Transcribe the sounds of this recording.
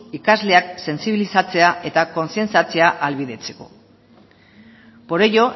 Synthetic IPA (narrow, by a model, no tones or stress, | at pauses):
ikazle̞akse̞nsiβ̞ilisat͡se̞ae̞t̪ako̞nsie̞nt͡sat͡se̞aʔalβiðe̞t͡se̞̥ko̞̰ | po̞ɾejo̞